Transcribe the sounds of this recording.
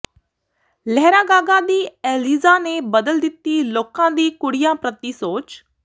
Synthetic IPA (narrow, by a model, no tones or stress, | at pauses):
lɛɦɾaːɡaːɡaːd̪iːeːliːzaːneːbəd̪əld̪ɪt̪ːiːloːkãːd̪iːkʊɽɪjãːpɾət̪ːiːsoːt͡ʃ